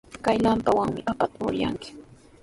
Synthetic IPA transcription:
kajlampawaŋmɪʔapat̪aʊ̰ɾja̰ŋkɪ̥

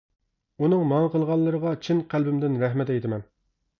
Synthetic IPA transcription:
unɨŋmɑŋqəlˠʁɑlˠːəɾəʁɑt͡ʃʰinqʰælbɪmd̪ɪnɾɛɦmɛt̪ɛjt̪ʰɪmɛn

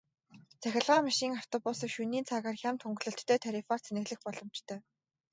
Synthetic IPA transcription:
t͡sʰæxʲɪ̆ɮʁaːmaʃiːŋaw̥t̪ɔpʊsĭkʃuniːnt͡sʰaːɣaːrxʲamt̪ʰuŋɡɮɵ̆ɬt̪ːʰœːt̪ʰaɾʲifar̥t͡sʰenɘ̆ɣɮɘ̆xpɔɮɞ̆mt͡ɕt̪ʰœː

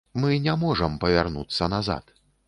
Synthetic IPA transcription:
mɨnʲamɔʐɐmpɐvʲarnut̪sːɐnaza̰t̪

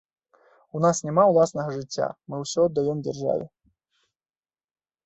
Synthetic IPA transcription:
unasnʲɛmawlˠasnɐɣɐʐɨt͡sʲːa̰mɨwsʲɔːd̪ːajɛmd͡zʲarʐa̰vʲɛ

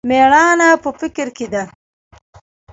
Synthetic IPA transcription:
meɳɑnapəfɪkɾked̪a

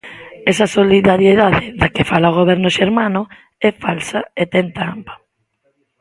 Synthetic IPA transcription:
ɛsɐsoliðaɾjeðaðɪðakɪfalaoɣ̞oβ̞ɛɾnʊʃeɾmanʊ | ɛfalsaet̪ɛnt̪ampḁ

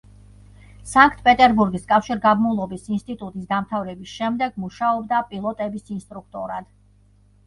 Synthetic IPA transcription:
saŋkʰt̪ʰpʼɛt̪ʼɛɾbuɾɡiskʼafʃiɾɡabmulˠɔbisinst̪ʼit̪ʼut̪ʼisd̪amt̪ʰavɾɛbisʃɛmd̪ɛɡmuʃaɔbd̪apʼilˠɔt̪ʼɛbisinst̪ʼɾuk̚ʰt̪ʼɔɾad̪̥

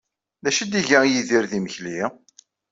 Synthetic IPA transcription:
ðæʃid̪iʝæjiðiɾðiməçli

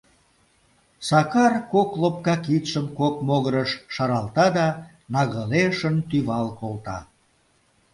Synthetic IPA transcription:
sɑkɑrkoklop̚kɑkit̪ʃəmkokmoɣəɾəʃːɑɾɑlˠt̪ɑd̪ɑ | nɑɣəleʃənt̪yβɑlkolt̪ɑ̰

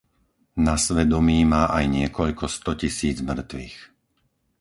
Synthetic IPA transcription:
nasʋɛd̪ɔmiːmaːʔajɲɪɛkɔʎkɔst̪ɔcisiːd͡zmr̩t̪ʋḭx

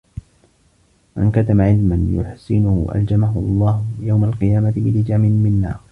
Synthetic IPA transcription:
ma̰nkat̪amaʕɪlmanjʊ̰ħsɪnʊhʊ̰ʔa̰ld͡ʒamaɦʊɑlˤːɑːhʊjawmalqɨjaːmat̪ɪbɪlɪd͡ʒaːmɪnmɪnːa̰ː

